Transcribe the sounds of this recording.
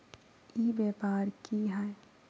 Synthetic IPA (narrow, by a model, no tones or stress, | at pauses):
iːbeːpaːɾkiɦɛ